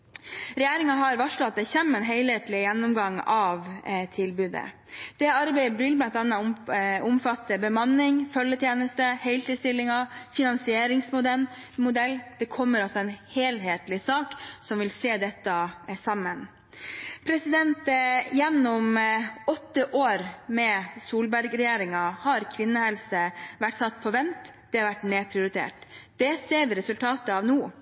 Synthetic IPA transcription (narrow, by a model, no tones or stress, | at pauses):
ɾɛjeːɾɪŋɑɦɑɾʋɑʂlɔɑt̪̚d̪ɛçɛmɛnɦeɪlheːt̪lɪjɛnːʊmɡɑŋːɑʋt̪ʰɪlbʉːd̪ə̰ | d̪̥ɛɑɾbæɪəbɾʏːlbɑnt̪d̪ɛnːəʊmfɑt̪ːəbəmɑnːɪŋfœlːət̪ʰjeːnəst̪əhɛɪlt̪id̪st̪ɪlːɪŋɑfɪnɑnsɪeːɾɪŋsmʊd̪ɛmʊd̪ɛlːd̪̥ɛkʰɔmːəɾɑlsɔɛnheːlɦeːt̪lɪsɑːksɔmʋɪlseːd̪ɛt̪ːɑsɑmːən | pʰɾɛsɪd̪ɛnt̪jɛnːɔmɔt̪ːəʔoːɾmɛsuːlbæɾɡɾɛjeːɾɪŋɑhɑɾkʰʋɪnːəhɛlsəʋæʈːsɑt̪ːpʰɔʋɛnt̪ | d̪̥ɛɑɾʋæʈːneːpʰɾɪʊɾɪt̪ʰḛːʈd̪̥ɛseːʋɪɾɛsʉlt̪ʰɑːt̪əɑʋnuː